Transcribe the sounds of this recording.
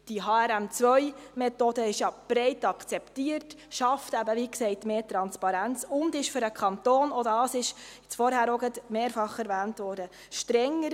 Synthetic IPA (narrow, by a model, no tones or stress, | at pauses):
d̥iɦɑːæɾæmt͡sʋœjmɛtodəɪʃjɑb̥ɾɛɪtɑkt͡sɛptiərtʃɑftæbəʋiːksɛɪtmeːtɾɑnspɑɾænt͡sʊndɪʃfʏɾəkʰχɑnt̪oːnodɑːsɪʃɪt͡sfɔɾhæːɾɔɡətmeːɾfɑχɛɾʋæːntʋɔːɾdə | ʃtɾɛŋːəɾ